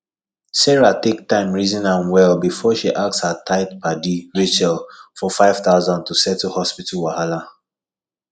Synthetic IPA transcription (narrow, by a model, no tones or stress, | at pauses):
sɛɹatek̚tãɪ̃mɹizĩnãnwɛlbifɔʃiʔak̚shatʰaɪtpʰadiɹet͡ʃɛlfɔfaɪv̥θaʊzãntusɛtuhɔspitʰalwahala